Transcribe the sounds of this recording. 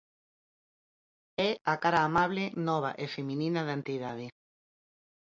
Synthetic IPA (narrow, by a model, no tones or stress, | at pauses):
ɛakaɾaːmaβlɪnɔβ̞a̰ʔefemĩnĩnaðant̪iðaðɪ